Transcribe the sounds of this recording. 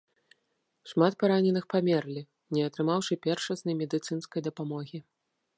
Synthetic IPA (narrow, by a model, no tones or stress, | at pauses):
ʂmat̪̚paɾanʲɛnɨxpamʲɛrlʲi | nʲɛɐt̪ɾɨmawʂɨpʲɛrʂɐsnɐjmʲɛd̪ɨt̪sɨnskɐjd̪ɐpamɔɣʲi